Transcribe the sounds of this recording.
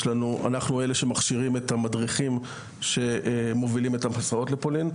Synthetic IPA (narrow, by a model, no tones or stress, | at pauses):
lanua̰naχnue̞leʃe̞maχʃiʁimetamadʁiχim | ʃe̞mo̞vilimetamasao̞tlepolin